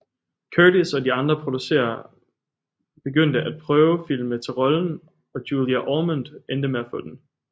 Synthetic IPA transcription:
kʰøɾisɒ̽diɑ̈nd̥ʁɐpʰʁo̝d̥use̝̰ːɐ | b̥e̝ɡ̥øn̰d̥əʔæd̥̚pʰʁœːʊəfil̰mət͡sʰe̝lʁɒ̽ln̩ | ɒ̽d̥juːliæʔɒːmund̥end̥əmeæfɔ̽d̥en

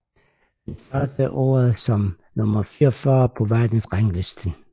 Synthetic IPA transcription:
esɶːd̥əʔo̰ːɐð̩ˠsɒ̽m | nɔmɐfiːɒfɶːɐpʰɒ̽ʋæɐ̰d̥n̩sʁaŋle̝sd̥ən

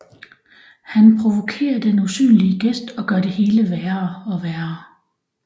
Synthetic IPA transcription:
hænpʰʁo̝ʋo̝kʰe̝̰ːɐd̥enusy̰ːnliəɡ̥esd̥ɒ̽ɡ̥ɶɐɾ̥e̝he̝ːləʋæːɐɒ̽ʋæːɐɐ

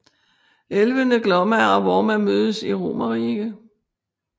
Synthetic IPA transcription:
elʋənəɡ̥lɒmæɒʋɒmæmøːð̞ˠəsiʁo̝̰ːmɐʁiːɡ̥ə

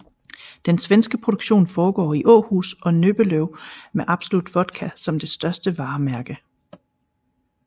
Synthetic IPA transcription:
d̥ensʋensɡ̥əpʰʁo̝d̥uɡ̥ɕo̝̰ːnfɒːɡ̥ɒ̰ːiʔɔ̰ːhṵːsɒ̽nøb̥əløʊmeʔɑ̈b̥so̝lud̥ʋɒ̽d̥kʰæsɒ̽md̥e̝sd̥ɶɐsd̥əʋɑ̈ːmæɐɡ̥ə

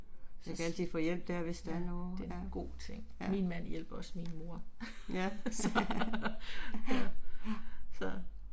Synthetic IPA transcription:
sjɑkɡ̥ænsifɔjel̰b̥̚d̥æɐʋe̝sd̥æɐnoːd̥e̝nɡ̥o̝̰ːt͡sʰeŋ̰minmæn̰jel̰b̥ɐɒ̽sminmo̝ɐ̰ | sɒ | sɒ

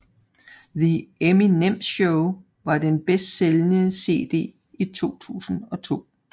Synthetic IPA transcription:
ðieminem̰ɕoʊ | ʋɑ̈d̥enb̥esd̥selənəse̝̰ːd̥e̝̰ː | it͡sʰo̝̰ːt͡sʰṵːsn̩ɒ̽t͡sʰo̝̰ː

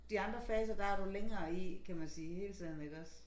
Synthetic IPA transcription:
d̥iɑ̈nd̥ʁɐfɛːs̬ɐd̥ɑ̈æɐɾuleŋɐːikʰæmænsiːhe̝ːlt͡sʰɛð̰ˠn̩e̝ɡ̥ɒ̽s

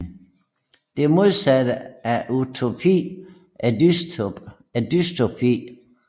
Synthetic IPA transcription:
d̥e̝æmo̝ð̞ˠsæd̥əæʔut͡sʰo̝pʰḭː | ʔæds | æd̥yst͡sʰopʰḭː

